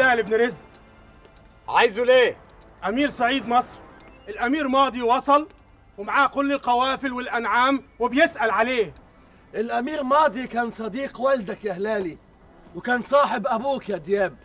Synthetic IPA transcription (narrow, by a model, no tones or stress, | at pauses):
aːlɪbnɾɪz | ʕaːjzuleː | ʔamiːɾsaʕiːd̪mɑsˤɾʔɪlʔamiːɾmɑːd̪ˤiwɑsˤɑl | wmaʕaːkʊlːɪlqɑwaːfɪlwɪlʔanʕaːmwɪbjɪsʔalʕaleːh | ʔɪlʔamiːɾmɑːd̪ˤikaːnsˤɑd̪iːqwald̪akjahlaːli | wkaːnsˤɑːħɪbʔabuːkjad̪jaːb̚